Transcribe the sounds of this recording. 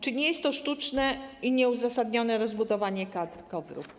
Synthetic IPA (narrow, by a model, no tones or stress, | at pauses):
t͡ʂɘɲɛjɛst̪ːɔʂt̪ut͡ʂnɛiɲɛuzasad̪ɲɔnɛɾɔzbud̪ɔvaɲɛkad̪ɾkɔvɾṵp